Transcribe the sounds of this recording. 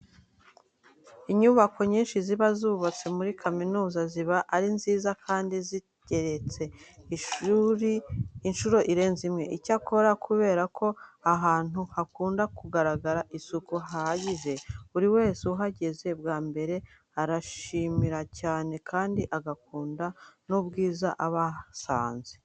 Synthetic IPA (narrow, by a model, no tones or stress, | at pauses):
iɲuβakʰo̞ɲiːnʃiziβazuβat͡se̞muɾikʰaminuːzaziβaʔaɾinziːzakʰaːndizi | ɟe̞ɾe̞t͡se̞iʃuɾiinʃuɾo̞ʔiɾe̞ːnzimŋe̞ʔicakʰo̞ɾakʰuβe̞ːɾakʰo̞aɦaːn̥uhakuːndakuɡaɾaɡaɾaʔisukuɦaaɟiʒe̞uɾiwe̞ːseuɦaɟe̞ze̞bɡaːmbe̞ɾe̞ | aɾaʃimiɾacaːne̞kʰaːndiʔaɡakuːndanubɡiːzaʔaβasa̰ːnze